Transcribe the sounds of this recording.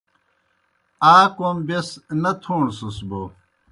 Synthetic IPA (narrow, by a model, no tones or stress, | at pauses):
aːkɐmbesnɐt̪ʰoːɳsusbo